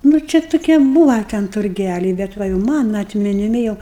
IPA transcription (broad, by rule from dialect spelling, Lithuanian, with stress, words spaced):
nʊ ˈt͡ʃʲɛ tʊˈkʲiɛ ˈbuːʋɐ tʲɛn tʊrʲˈɡʲælʲɛɪ bʲɛt ˈʋɐ jɛʊ ˈmɑːnɐ ɐtʲmʲɪnʲɪˈmʲɪ jɛʊ